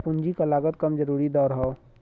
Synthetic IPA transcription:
pʊ̃nd͡ʒikalaːɡət̪kəmd͡ʒəɾuːɾid̪ɔːɾɦoː

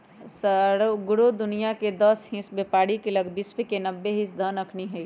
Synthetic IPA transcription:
səɾɡʊɽud̪ʊnijaked̪əsɦĩsbepaːɽikeləɡbisbekenəbːeɦĩsd̪ʱənəkʰniɦɛi

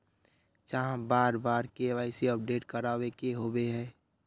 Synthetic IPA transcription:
t͡ʃaɦãbaːɾbaːɾkeʋaːɪseəp̚ɖeːʈkəɾaːwekeɦoːbeɦɛ̃ː

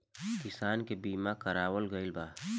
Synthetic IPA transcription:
kɪsaːnkebiːmakəɾaːwəlɡəɪlbaː

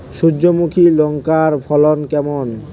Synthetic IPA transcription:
ʃud͡ʑːomukʰilɔŋkaɾbʰʱɔlonkɛmon

